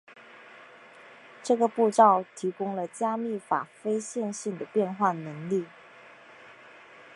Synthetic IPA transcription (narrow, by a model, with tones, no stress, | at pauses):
ʈ͡ʂɤ˥˩ɡə˩pu˥˧ʈ͡ʂɑ˥˩ʊt̪ʰi˧˥kʊ˥ŋlə˨t͡ɕja˥mi˥˩fa̰˨˩fe˥ɪɕjɛ˥˧nɕi˥˩ŋd̪ə˩pjɛ˥˧nxwa˥˩nɤ˧˥ŋli˥˩